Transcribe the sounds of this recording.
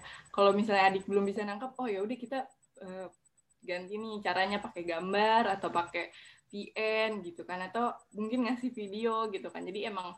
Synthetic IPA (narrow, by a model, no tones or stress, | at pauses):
kalowmisalɲaːdɪk̚bəlʊmbisanaŋkap̚ɔhjaudɛhkit̪a | ə | ɡant̪inɪt͡ʃaɾaɲapakɛɡambarat̪awpakɛpiʔɛnɡit̪ukanat̪awmuŋkɪnŋasɪhfidioɡit̪ukand͡ʒadiemaŋ